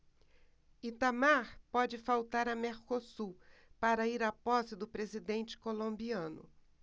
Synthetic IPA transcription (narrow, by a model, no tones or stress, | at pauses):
it̪amaɾpɔd͡ʒɪfawt̪aɾɐmeɾkosupaɾɐiɾapɔsɪd̪ʊpɾezid̪ẽnt͡ʃɪ̥kolõmbiɐ̃nʊ̰